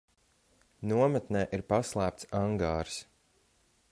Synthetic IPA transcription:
nuɔmɛt̪nɛːʔiɾpaslˠæːpt̪saŋɡaːɾs

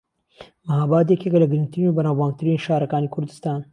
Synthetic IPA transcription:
maɦɑːbɑːd̪̬ekekalaɡɾint̪ɾinobanaːbɑːŋ̚t̪aɾiːnʃɑːɾɐkɑːnikʰʊɾd̪ɪ̥st̪ɑːn

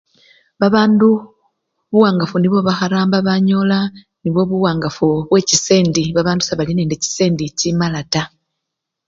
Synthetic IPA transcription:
βaβaːndu | βuwaːŋɡafuniβo̞βaxaɾaːmbaβaɲo̞la | niβwo̞βuwaːŋɡafuβwe̞ːcise̞ːndiβaβaːndusaβalineːndeci̥se̞ːndicimalata

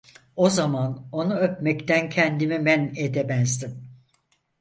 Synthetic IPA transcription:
o̞zamano̞nuøp̚mɛct̪ʰæncʰɛnd̪imibæned̪ɛbɛnzd̪im

